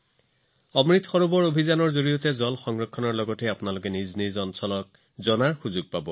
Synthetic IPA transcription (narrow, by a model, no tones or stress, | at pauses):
ɔmɹit̪xɔɹubɔɹobʱizanɔɹzoɹijɔtɛzɔlxɔŋɹɔkʰːɔnɔɹlɔɡɔteapʊnalʊk̬ɛniznizɔnsɔlɔk̚ | zɔnaɹxuzʊɡ̚pabɔ